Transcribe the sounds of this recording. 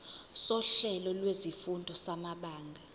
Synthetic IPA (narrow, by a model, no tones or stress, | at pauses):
sɔɬɛlɔlwezifundʱɔsamaɓaːŋɡʱa